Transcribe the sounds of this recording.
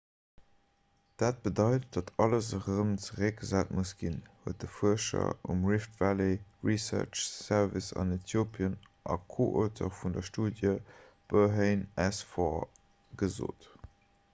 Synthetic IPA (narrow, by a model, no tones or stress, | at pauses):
d̥aːt̚b̥ədɑɪtd̥ɑtʰɑləzəʁəʁəmt͡səʁek̚ɡəzaːt̚musɡ̥inhuət̚d̥əfuɐʃɐ̰umʁiftvaleɹisɜ̰t͡ʃsɛʁvisɑ̰netʰjopʰjən | ʔɑkʰoʔoʊtʰɐ̰fundɐʃtuːdjə | b̥əɦeɪnæsfɔ | ɡəzo̰ːt